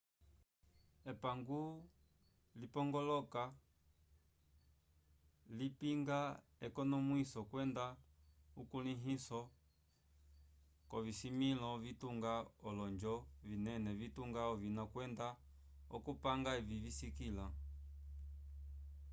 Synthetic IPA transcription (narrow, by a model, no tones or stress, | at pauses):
ɛpaŋɡu | lipɔŋɡɔlɔka | lipiŋɡa | ɛkɔnɔmwisɔkwɛndaukuliɦisɔ | kɔvisimilɔvituŋɡaɔlɔɲd͡ʒɔvinɛnɛvituŋɡaɔvinɔkwɛnda | ɔ̰kupaŋɡaɛvivisikila